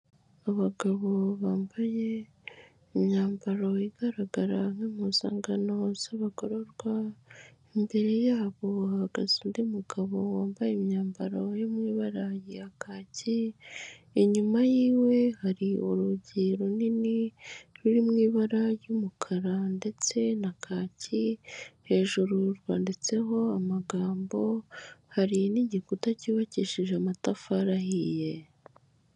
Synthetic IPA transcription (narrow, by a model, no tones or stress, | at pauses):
aβaɡaβo̞βaːmbajeː | mɲaːmbaɾaiɡaɾaɡaɾaŋemuza̰ːŋɡanosaβako̞ɾoɾɡwa | embe̞ɾe̞jaːβo̞haɡa̰ziːndimuɡ̥aβowaːmbajemɲaːmbaɾojomŋiːβaɾajiakʰaːci | eɲumajiːwe̞haɾioɾuɟiːɾoniniɾuɾimŋiːβaɾajumukʰaɾande̞t͡se̞nakʰaːcihe̞ːʒuɾuɾɡa̰ːndit͡se̞ɦo̞amaɡaːmbo̞haɾiniɟikutaciːβaciʃiʒeamatafaɾahije̞